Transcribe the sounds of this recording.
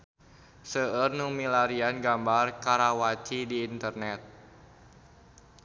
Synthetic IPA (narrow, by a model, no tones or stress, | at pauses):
səərnumilaɾianɡambarkaɾawat͡ʃidiːnt̪ərnɛt̪̚